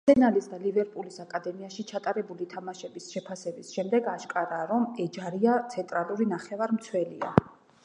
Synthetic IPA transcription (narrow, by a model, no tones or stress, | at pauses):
sʰɛnalisd̪alivɛɾpʼulisakʼad̪ɛmiaʃit͡ʃʰat̪ʼaɾɛbulit̪ʰamaʃɛbisʃɛpʰasɛbisʃɛmd̪ɛɡaʃkʼaɾaːɾɔmɛd͡ʒaɾiat̪ʰɛnt̪ʼɾalˠuɾinaχɛvaɾmt̪sʰwɛlḭa̰